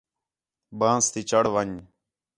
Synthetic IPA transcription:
bãːst̪iːt͡ʃəɽʋəɲ

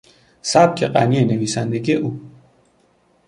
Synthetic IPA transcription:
saːb̚kʰeqa̰nieneʋiːsand̪eɡeʔuː

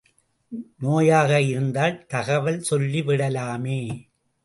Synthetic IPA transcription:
noːjaːɣɐɪɾɯnd̪aːlt̪ɐɣɐʋɐlsɔlːiʋɪɽɐlaːmeː

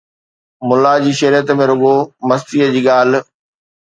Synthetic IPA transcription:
mʊlːad͡ʑiːʃɐɾijət̪mẽɾʊɠomɐst̪iːəd͡ʑiːɠaːl̤̆

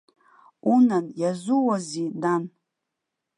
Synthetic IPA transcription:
unanjazuwazidan

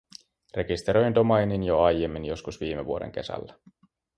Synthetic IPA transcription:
re̞kist̪eɾo̞jnt̪omɑjninjoɑjemːinjo̞skusʋiːmeʋuodḛŋk̟e̞̰sæ̰lːæ

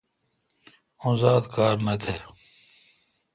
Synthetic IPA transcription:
õnzaːd̪kaːɾnɐt̪ʰeː

